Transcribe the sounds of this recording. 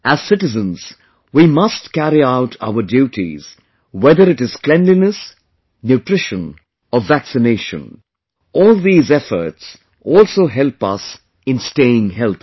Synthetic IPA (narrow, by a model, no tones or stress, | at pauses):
ʔæz̥sɪtɨzə̃nz̥ | wimʌstkæɾiaʊtʰa̰ʊə˞djutʰḭz̥ | wɛðəɾɨɾɨz̥klɛ̃nlinəs | njʉtɹ̥ɪʃə̃n | ʌvːæksɨneɪʃə̰̃n | ʔɔːlˠðiːzɛfə̰˞ts | ʔɔlˠsoʊɦɛlˠpʌ̰s | ɨ̃nsteɪɪ̃ŋhɛlˠθ